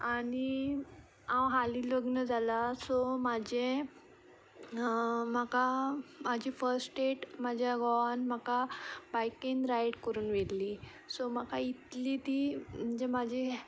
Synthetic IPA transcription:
aɽ̃i | ãwɦaliləɡnəd͡zʱalasomad͡ʑe | makamad͡ʑʱifəɾsʈeʈmad͡ʑʱjaɡɔnmakabajkinɾajɽkəɾuːnʋelliː | sɔm̤akait̪liːt̪iːm̤əd͡ʑemad͡ʑʱi

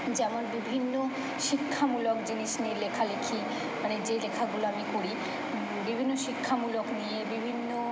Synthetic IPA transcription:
d͡ʑɛmonbibʱinːo | ʃikʰːamulokd͡ʑiniʃnilekʰalekʰi | maned͡ʑelekʰaɡuloamikoɽi | bibʱinːoʃikʰːamuloknijebibʱinːo

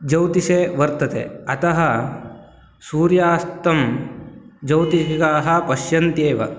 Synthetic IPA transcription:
d͡ʒɐwt̪iseʋɐɾt̪ɐt̪ḛɐt̪ɐɦɐ | suːɾjaːst̪ɐm | d͡ʒɐwt̪ikaːɦɐpɐʃjɐnt̪eːʋɐ̰

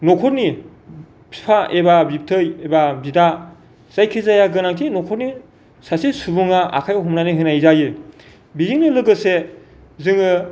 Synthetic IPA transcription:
nɔkʰɔtni | pʰi̥pʰaebabip̚tʰɯjebabida | z̥ajkʰizajaɡɯnaŋtʰinɔkʰɔt̚ni | sasisubuŋaa̰kʰajɦɔmnaniɦɯnajzajɯ | biziŋnɯlɯɡɯse | zɯŋɯ

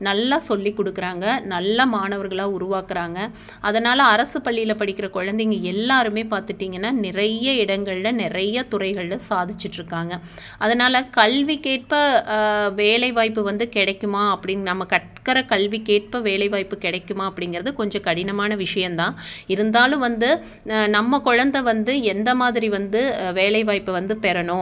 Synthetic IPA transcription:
nɐlːaːsɔlːikːɔɽɯkːɯɾaːŋɡɐnɐlːɐmaːnɐʋɐɾɣɐɭaːʊɾʊʋaːkɯɾaːŋɡɐ | ʔɐðɐnaːlɐɐɾɐsɯpɐɭːɪjɪlɐpɐɽɪkːɪɾɐkʊɻɐnd̪ɪŋɡɐɛlːaːɾɯmeːpaːɾt̪ɯʈːiːŋɡɐnːaːnɪrɐjɐɪɽɐŋɡɐɭlɐnɪɾɐjɐt̪ʊɾɐɪɣɐɭɐsaːðɪt͡ʃːɪʈːɾɯkːaːŋɡɐ | ʔɐðɐnaːlɐkɐɭʋikeːʈ̚pɐ | ʋeːlɐɪʋaːjpːɯʋɐnd̪ɯkɪɽɐkːɯmaːɐpːɐɽɪnnɐmːɐkɐʈ̚kɐɾɐkɐɭʋikeːʈ̚pɐʋeːlɐɪʋaːjpːɯkɪɽɐkːɯmaːɐpːɐɽɪŋɡɪɾɐðɯkɔɲd͡ʒɔ̃kɐɽɪnɐmaːnɐʋɪʂɐjɐmnt̪ãːɪɾɯnd̪aːlɯ̃ʋɐnd̪ɯ | nɐmːɐkɔɻɐnd̪ɐʋɐnd̪ɯɛnd̪ɐmaːðɪɾiʋɐnd̪ɯʋeːlɐɪʋaːjpːɯʋɐnd̪ɯpɛɾɐɳʊ̃

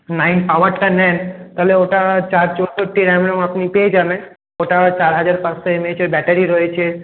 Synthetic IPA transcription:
najnpawaɾʈanɛnt̪aɦleoʈat͡ɕaɾt͡ɕod̪oʈiɾɛmɽomapnipeed͡ʑaben | oʈat͡ɕaɾɦad͡ʑaɾpãst̪ʰoemed͡ʑeɾbɛʈaɾiɾoet͡ɕʰe

